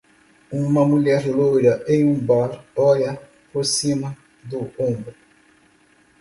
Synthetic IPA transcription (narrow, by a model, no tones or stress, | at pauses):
ũmɐmuʎɛɾlojɾɐʔẽj̃ũbaɾɔʎɐ | poɾsĩmɐ | d̪ʊõbɾʊ